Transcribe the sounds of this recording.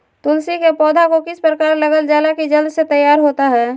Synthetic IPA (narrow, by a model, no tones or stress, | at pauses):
t̪ʊlsikepɔːd̪ʱakokɪspɾəkaːɾləɡəld͡ʒaːlakid͡ʒəld̪ʱset̪əjːaːɾɦoːt̪aɦɛː